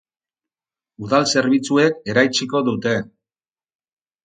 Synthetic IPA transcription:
uðalse̞ɾβit͡sue̞ke̞ɾajt͡siko̞ðut̪e̞

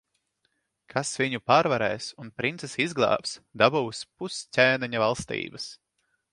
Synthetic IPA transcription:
kʰasviɲupaːɾvaɾɛːsunpɾint̪sɛsizɡlˠɑ̰ːpsd̪abuwspussʲæːnɛɲavalˠst̪ḭːbɐs

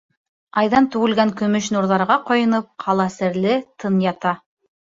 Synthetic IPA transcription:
ɑjðɑnt̪ʉɡɘ̆lɡæŋkɵ̆mɵʃnuɾðɑɾʁɑqŏjɤ̆nɤp̚qʰɑlˠɑsɘ̆ɾlɘt̪ʰɤnjɑt̪ɑ

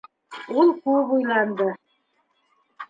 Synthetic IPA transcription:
ulˠkʉβujlˠɑnd̪ɤ

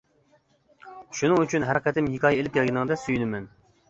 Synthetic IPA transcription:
ʃunɨŋyt͡ʃʰynɦæɾɪqʲɛt̪ɪmɦikʰɑːjɛelɪp̚kʲʰɛlɡʲɪnɪŋd̪ɛsyjynɪmɛn

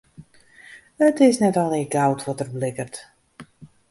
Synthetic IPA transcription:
ətɪsnɛtɔlˠeːɡawtʰʋɔtərblɪkərt

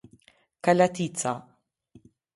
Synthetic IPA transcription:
kɐlɐt̪iːt͡sːɐ

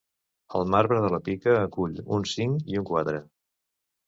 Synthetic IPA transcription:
əlˠmaɾβɾəðələpikəːkuʎṵnsiŋiuŋkwat̪ɾə

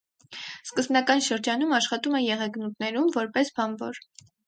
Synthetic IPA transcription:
skəzbnɑkɑnʃəɾd͡ʒɑnumɑʃχɑt̪umɛjɛʁɛɡnut̪nɛɾumvɔɾpɛsbɑnvɔɾ

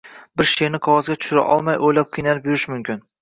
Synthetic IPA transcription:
bɪɾʃeɾnɪqʰɒwɒzɡʲat̪ʰʊ̥ʃʊɾa̰ʔɒ̰lˠmajʔojlap̚qʰɨjnalɪp̚jʊɾɪʃmʊmkʲɪn

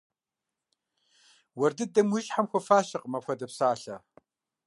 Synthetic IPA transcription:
wɐrdɨdɐmʷʊʃħamxʷɐfaːʃɐqʼmɐpxʷɐdɐpsaːɬɐ

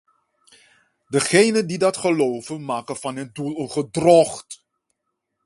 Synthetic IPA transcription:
dəχejnəndidɑtχəlowvənmaːkənvɑnɦəndulˠənχədrɔχt

